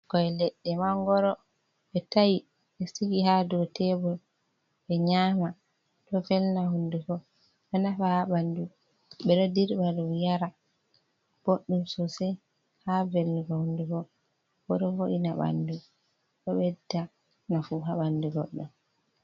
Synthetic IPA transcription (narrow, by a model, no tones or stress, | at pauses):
kɔɛlɛɗːɛmaŋɡɔɾɔ | ɓɛtaji | ɓɛsiɡihadɔtɛbɔl | ɓɛɲaːma | tɔfɛlnahundukɔ | ɓɛnafahaɓandu | ɓɛɗɔdiɾbaɗumjaɾa | b̥oɗːumsɔsɛ | havelnikɔhundukɔ | b̥ɔɗɔvoʔinaɓa̰ndu | ɗɔɓɛtːa | nafuɦaɓanduɡɔɗːɔm